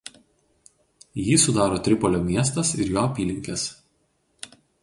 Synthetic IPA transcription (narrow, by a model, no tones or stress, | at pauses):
jiːsʊd̪ɑːɾoːt̪ʲɾʲɪpɔlʲoːmʲiɛs̬t̪ɐsɪɾjoːɐpʲiːlʲɪŋʲkʲɛs